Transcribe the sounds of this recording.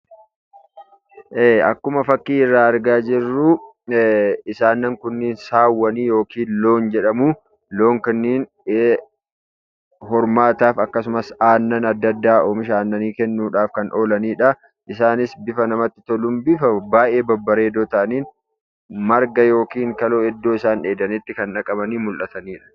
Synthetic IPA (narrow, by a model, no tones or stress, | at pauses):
ʔeːɐ̰kːʊmɐfɐkːiːɪrːaːɐɾɡaːd͡ʒɪrːuː | ɪsaːnːɐŋkʊnːɪnsaːwːɐniːjo̞ːkiːnlo̞ːnd͡ʒɛᶑɐmuː | lo̞ːŋkɐnːiːn | eː | hɔɾmaːt̪aːfɐkːɐsʊmɐsaːnːɐnɐd̪ːɐd̪ːaːʔoːmɪʃaːnːɐniːkɛnːuːᶑaːfkɐnʔo̞ːlɐniːᶑɐ | ʔɪsaːnɪsbɪfɐnɐmɐt̪ːɪ̥t̪ɔlʊmbɪfɐbaːʔe̞ːbɐbːɐɾe̞ːd̪oːt̪ɐʔɐniːn | mɐɾɡɐjo̞ːkiːŋkɐloːɛd̪ːo̞ːɪsaːneːd̪ɐnɪt̪ːɪkɐnᶑɐkʼɐbɐniːmʊlʔɐt̪ɐniːᶑɐ̥